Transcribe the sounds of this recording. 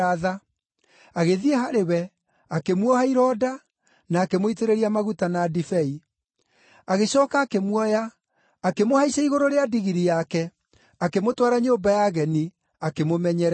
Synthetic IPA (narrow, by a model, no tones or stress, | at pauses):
aða | aɣeðiɛɦaɾewɛ | akemwɔhaiɾɔːda | naːkemoiteɾeɾiamaɣutanadifɛi | aɣeɕɔːkaːkemwɔjaː | kemohaiɕaiɣoɾoɾeadiɣiɾijakɛ | akemotwaɾaɲoːmbajaɣɛni | akemomɛɲɛɾ